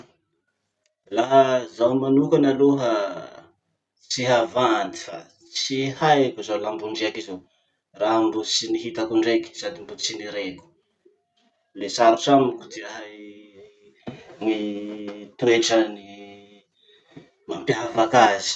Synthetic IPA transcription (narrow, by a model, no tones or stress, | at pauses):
laɦəzawmanukanaluɦə | t͡siɦavand̪i̥fa̰ | t͡sihajkuzalambuɳɖ͡ʐeakizo | raɦambut͡siniɦit̪akuɳɖ͡ʐeki̥sad̪imbut͡siniɾeku̥ | lesaɾusamikut̪iaɦaj | mi | t̪ueʈ͡ʂəni | mampjɦavakazi̥